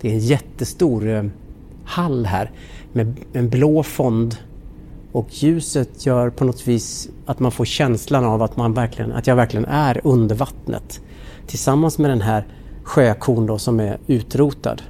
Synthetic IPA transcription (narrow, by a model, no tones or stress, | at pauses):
d̪̥ɛɾɛnjɛt̪ːəst̪uːɾ | halːɦæːɾ | mɛɛnbloːfɔnd̪ | ɔkʰjʉ̟ːsət̪ʰjœːɾpʰɔnɔt̪viːsat̪manfoːɾɕɛnslanavat̪manvæɾklɪɡə̰nʔa̰t̪jɑːɡvæɾklɪɡənʔæɾɵnd̪əɾvat̪nʔə̰t̪ʰː | ɪlsamːansmɛd̪ɛnɦæːɾ | ɧøːkʰuːnd̪ɔsɔmɛɾʉ̟ːt̪ɾuːt̪a̰d̪